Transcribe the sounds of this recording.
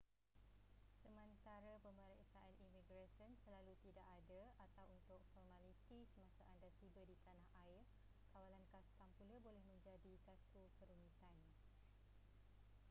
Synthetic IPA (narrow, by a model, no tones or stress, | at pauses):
səmə̃nt̪aɾapəmbəleʔsaanʔimĩɡɾasənsəlalut̪idaʔadəat̪awunt̪ʊk̚fɔrmãlit̪isəmãsaʔandat̪ibadit̪anahʔaɪr | kawalankast̪ampuləbolɛhmə̃ɲd͡ʒadisat̪uk̪əɾumĩt̪an